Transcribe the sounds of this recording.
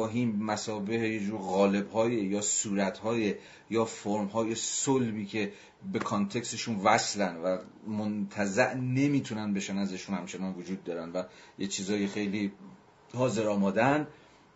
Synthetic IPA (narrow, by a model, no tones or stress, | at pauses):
ɒːɦiːmmæsɒːbehejed͡ʒuːɾɣɒːle̞bhɒːjejɒːsuːɾæt̪ʰhɒːje | jɒːfoɾmhɒːje̞solbiːcʰe̞ | be̞kʰɒnt̪ʰe̞kst̪eʃuːnvæslænvæ | mont̪ʰæzæʔne̞miːt̪ʰunænbe̞ʃænæzeʃuːnhæmt͡ʃʰe̞nɒːnvod͡ʒuːd̪̚ːɒːɾænvæjet͡ʃʰiːzɒːjexejliː | hɒːze̞ɾɒːmɒːd̪æn